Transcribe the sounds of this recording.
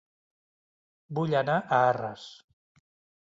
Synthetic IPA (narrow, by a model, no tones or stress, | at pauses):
buʎanaʔəarə̰s